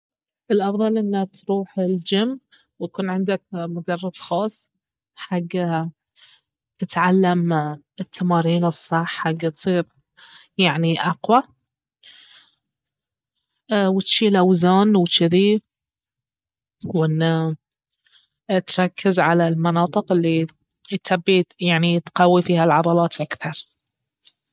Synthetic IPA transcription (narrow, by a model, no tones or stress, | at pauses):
ʔɪlʔɑfðˤɑlʔɪnːat̪ɾuːħɪld͡ʒamː | wakuːnʕɪnd̪ak̚mʊd̪ɑrˤːɑbxɑːsˤː | ħaɡːa | t̪ɪt̪ʕalːam | ɪt̪ʰːamɑːɾiːnɨsˤːɑħːaɡːat̪sˤiːɾ | jaʕniʔɑqwa | wɪt̪ʃiːlʔawzaːnwt͡ʃːɪði | wʔɪnːa | t̪ɾˤɑkʰːɪzʕalalmɑnɑːt̪ˤɨqɪlːi | t̪abːijaʕnit̪qawːifiːhalʕɑðˤɑlɑːt̪ʔakθɑɾˤ